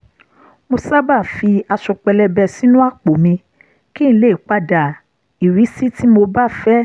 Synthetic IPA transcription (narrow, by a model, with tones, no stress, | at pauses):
mo˧sa˦ba˦˨fi˧a˧ʃɔ˧k͡pɛ˧lɛ˧bɛ˧˨si˦nũ˦a˦˨k͡po˨mĩ˧ | kĩ˦˨ñ̩˦le˦˨i˨k͡pa˦da˨ | i˨ɾi˨˦si˦ti˦mo˧ba˦fɛ˦